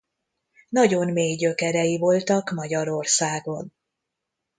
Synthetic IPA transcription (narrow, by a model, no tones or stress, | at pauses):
nɒɟo̞nmeːjɟø̞kɛɾɛjivo̞lt̪ɒkmɒɟɒɾo̞rsaːɡo̞n